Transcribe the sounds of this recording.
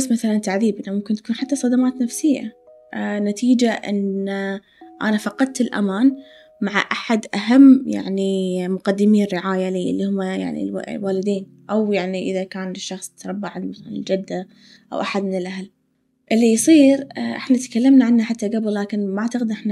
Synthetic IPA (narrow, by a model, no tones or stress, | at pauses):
sːmaθalant̪aʕðiːbɪnamʊmkɪnt̪ḁkuːnħat̪ːasˤɑd̪amaːt̪nafsɪjːa̰ | nat̪iːd͡ʒaʔɪ̰na | ʔa̰nafɑqɑd̪̚ˤt̪ɪlʔa̰maːn | maʕaʔaħad̪ʔaɦamːja̰ʕnimʊqad̪ːɪmiːnrːɪʕaːjaliːʔɪ̰lːihʊmːaja̰ʕnḭl̰lwaːlɪd̪iːn | ʔawjaʕniʔɪðakaːnʃːɑxsˤt̪ɾˤɑbːaʕɪnmaθaanɪld͡ʒad̪ːa | ʔa̰wʔaħad̪mɪnɪlʔaɦal | ʔɪlːijsˤiːɾʔɪ̰ħnat̪kalːamnaʕanːaħat̪ːaɡabllːaːkɪnmaʕt̪aqɪd̪ʔɪħna